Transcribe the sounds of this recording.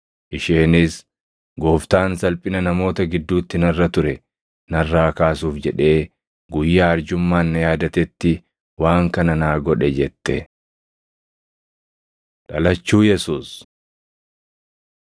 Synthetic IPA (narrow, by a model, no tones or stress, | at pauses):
ʔɪʃeːnɪs | ɡo̞ːft̪aːnsɐlpʼɪnɐnɐmo̞ːt̪ɐɡɪd̪ːuːt̪ːɪnɐrːɐt̪ʊɾɛ | nɐrːaːkaːsuːfd͡ʒɛᶑe̞ː | ɡʊjːaːɐɾd͡ʒʊmːaːnːɐjaːd̪ɐt̪ɛt̪ːɪ | waːŋkɐnɐnaːɡɔᶑɛd͡ʒɛt̪ːɛ | ᶑɐlɐt͡ʃːuːjɛsuːs